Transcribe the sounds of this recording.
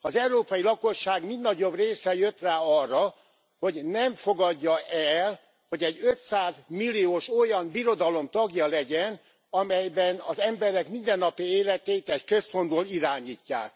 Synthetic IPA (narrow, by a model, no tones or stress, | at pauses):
ɒzɛuɾoːpɒjilɒko̞ʃːaːɡmind̪nɒɟo̞breːsɛjøt̪raːɒrːɒ | ho̞ɟnɛɱfo̞ɡɒɟːɒʔɛl | ho̞ɟɛɟøt̪saːzmilːioːʃo̞jɒmbiɾo̞d̪ɒlo̞mt̪ɒɡjɒlɛɟɛn | ɒmɛjbɛnɒzɛmbɛɾɛkmind̪ɛnːɒpieːlɛt̪eːt̪ɛckøsfond̪boːliɾaːɲiːcːa̰ːk̚